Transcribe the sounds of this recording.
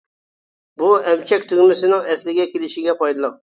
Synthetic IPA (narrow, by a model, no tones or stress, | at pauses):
buɛmt͡ʃʰɛkʲt̪ʰyɡʲmɪsɪnɪŋɛslɪɡʲɛkʲʰelɪʃɪɡʲɛpɑjd̪ɨlˠəq̚